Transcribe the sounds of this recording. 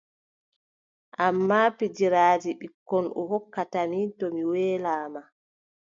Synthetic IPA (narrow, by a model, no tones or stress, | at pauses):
ʔamːaːpid͡ʒiɾaːd͡ʒiɓikːɔnɔ̰ɦɔkːatamitɔmiwɛːlaːma